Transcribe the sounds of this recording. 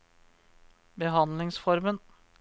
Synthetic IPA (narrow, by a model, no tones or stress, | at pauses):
bəɦɑnlɪŋsfɔɾmən